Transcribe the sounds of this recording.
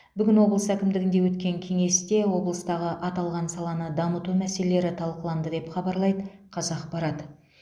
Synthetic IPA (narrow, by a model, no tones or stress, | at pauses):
bʏɡʲɪnwo̞blˠəsækʲɪmd̪ɪɡʲɪnd̪e̞wɵt̪kʲe̞ŋkʲʰe̞ŋe̞st̪e̞wo̞blˠəst̪ɑʁəʔɑt̪ɑlˠʁɑnsɑlˠɑnəd̪ɑmət̪umæse̞lele̞ɾɪt̪ʰɑlˠqəlˠɑnd̪əd̪e̞pχɑbɑɾlˠɑjd̪ə | qʰɑzɑqpɑɾɑd̪ə